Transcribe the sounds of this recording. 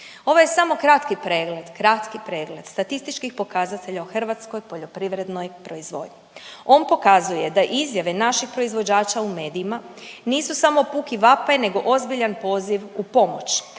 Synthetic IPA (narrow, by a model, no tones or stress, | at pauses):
o̞ʋojesamo̞kɾat̪kipɾe̞ːɡle̞d̪kɾat̪kipɾe̞ːɡle̞d̪̥st̪at̪ist̪it͡ʃkixpo̞kazat̪e̞ʎaoxr̩ʋat̪sko̞jpo̞ʎo̞pɾiʋɾe̞d̪no̞jpɾo̞izʋo̞̰d̪ɲio̞npo̞kazuje̞d̪aʔizjaʋe̞naʃixpɾo̞izʋo̞d͡ʑaːt͡ʃaume̞ːd̪iːmaniːsusamo̞puːkiʋapene̞ɡo̞ʔo̞zbiʎanpo̞ːziʋupo̞mot͡ɕ